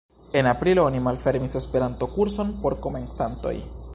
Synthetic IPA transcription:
e̞napɾiloonimalfe̞ɾmise̞spe̞ɾanto̞kuɾso̞npo̞ɾko̞me̞nt͡santo̞̰j

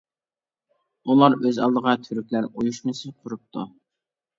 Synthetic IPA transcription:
ulˠɑɾøzɑ̰lˠd̪əʁɑt̪ʰyɾykʲlæɾojuʃmɨsɪqʰʊɾup̚t̪ʰu

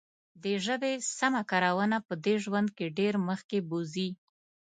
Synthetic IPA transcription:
d̪əʒəbesamakaɾawənapəd̪eʒwand̪̚keɖeɾməxkebozi

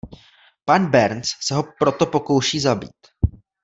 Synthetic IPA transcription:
panbɛɾnt͡ssɛɦo̞pɾo̞t̪o̞po̞ko̞wʃiːzabḭːt̪

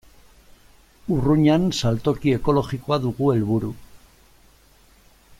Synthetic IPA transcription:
uruɲansalt̪o̞kie̞ko̞lo̞ɣiko̞aðuɣue̞lβuɾu

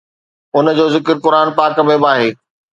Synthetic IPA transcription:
ʊnəd͡ʑoːzɪkəɾkʊɾaːnpaːkmẽbaːɦeː

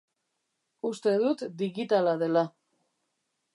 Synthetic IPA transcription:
ust̪e̞ð̞ut̪d̪iɣit̪alaðe̞la

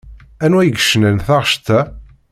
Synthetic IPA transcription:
ænwæjəɡʃənənθɑʁʃt̪æ

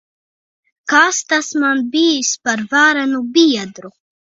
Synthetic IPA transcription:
kaːst̪asmanbiːspaɾvaːɾanubiɛd̪ɾu

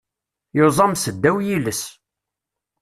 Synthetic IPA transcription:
jozˤɑmsəd̪ːæwjiləs

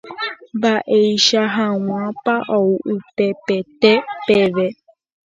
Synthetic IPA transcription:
mbaʔejʃaɦaw̃ãpaʔowʔupepet̪epeʋe

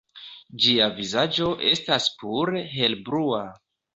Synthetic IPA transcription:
d͡ʒiavizad͡ʒo̞ʔe̞staspuɾɦe̞lbɾua

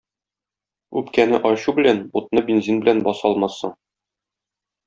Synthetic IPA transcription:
ʉpkænɘʔɒɕubɘ̆lænbut̪̚nɤbʲinzinbɘ̆lænbɒsɒlˠmɑsɤ̰ɴ

